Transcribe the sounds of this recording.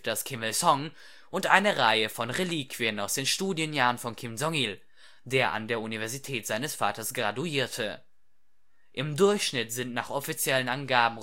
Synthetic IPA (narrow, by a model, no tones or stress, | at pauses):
d̥askʰɪməlsɔŋ | ʔʊntʔa̰ɪnəʁaɪəfɔnʁeliːkv̥iənaʊsd̥eːnʃtuːdjənjaːʁənfɔnkʰɪmzɔŋil | deːɐʔa̰ndeːɐʔunivɛɐzitʰɛːtz̥aɪnəsfaːtɐsɡ̥ʁaduiːɐtʰə | ʔɪmdʊɐçʃnɪtz̥ɪntnaːχɔfit͡sjɛlənʔanɡaːbm̩